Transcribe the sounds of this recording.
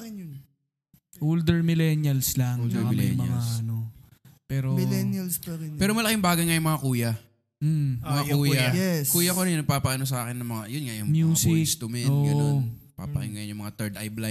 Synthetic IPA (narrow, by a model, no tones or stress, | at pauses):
nj | ʔold̪ɛɹmɪlɛnjɐlslaŋd̪lɛ̰mɐɐ̰lasʔɐno̞pɛːɾomlɛnjɐlspɐɪɛːɾomɐlɐkɪŋbaːɡɐjŋajʊŋmɐŋakuːjɐ | m̩mɐŋakuːjɐɛskuːjɐkonɐnɐpapɐʔɐno̞s̬ɐaːkɪnɐmɐŋajʊnŋajʊmjuːsɪsdt̪ʊmɛʔonːɡʔɐon | pa̰ːpɐʔɪ̰nŋɐjojʊmɐŋat̪ɛɹd̪ʔajbla